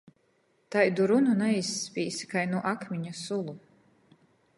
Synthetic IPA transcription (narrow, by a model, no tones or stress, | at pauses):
t̪ajd̪uɾununaisːpʲiːsi̥kajnuɔʔakmʲiɲasulˠu